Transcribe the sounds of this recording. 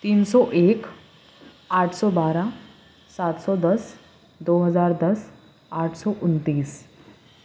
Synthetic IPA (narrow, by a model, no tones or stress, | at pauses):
t̪iːnsɔʔek | aʈʰsɔbaɾa | sat̪sɔd̪əs | d̪oɦəd͡zaɾd̪əs | aʈʰsɔʔunt̪iːs